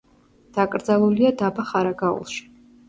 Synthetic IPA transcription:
d̪̥akʼɾd̪zalˠuliad̪abaχaɾaɡaṵlˠʃi̥

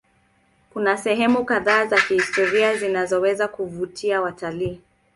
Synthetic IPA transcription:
kunasɛɦɛmukaðaːzakihistɔɾiazinazɔwɛzakuvutʰiawataliː

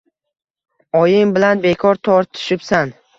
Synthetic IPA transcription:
ɒjɪŋbɪlanbe̞kʰɒɾt̪ʰɒɾt̪ʰɪ̥ʃɪpsan

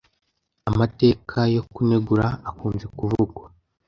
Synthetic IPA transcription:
amate̞ːkʰajo̞kune̞ɡuɾaːkuːmzekuvuɡwa

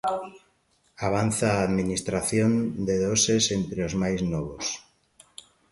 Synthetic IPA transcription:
aβ̞an̟θaːðminist̪ɾaθjõnd̪eðosesent̪ɾeozmajznoβ̞os

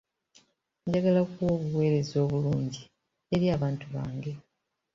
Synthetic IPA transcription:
ɲɟaɡalakwo̞ːβuwe̞ːɾe̞zo̞ːβuluːɲɟi | eɾiaːβaːntuβa̰ːŋɡe̞

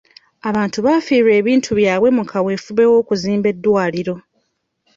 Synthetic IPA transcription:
aβaːntuβaːfiɾe̞ːβiːntʰuβjaːβwe̞mukʰawe̞ːfuβe̞wo̞ːkuziːmbe̞dːwaːliɾo̞

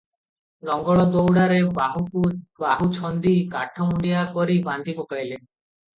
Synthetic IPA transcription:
lɔŋɡɔɭɔd̪owɽaɾebaɦukubaɦut͡ʃʰɔnd̪ikaʈʰɔuɳɖijakɔɾiband̪ʱipɔkajle

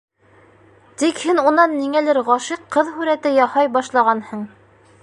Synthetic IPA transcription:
t̪ikhɘnunɑnːiŋælɘɾʁɑʃiqʰːɤðɦʉɾæt̪ɘjɑhɑjbɑʃlˠɑʁɑnhɤɴ

